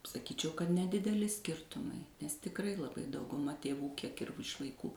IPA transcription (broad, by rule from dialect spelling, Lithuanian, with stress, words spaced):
sɐˈkʲiːt͡ʃʲɛʊ kɐt nʲɛdʲɪdʲɛˈlʲɪ ˈsʲkʲɪrtʊmɐɪ nʲɛs tʲɪkˈrɐɪ lˠɐˈbɐɪ dɐʊɡʊˈmɐ tʲeːˈʋuː ˈkʲiɛk ɪr ɪʃ ʋɐɪˈkuː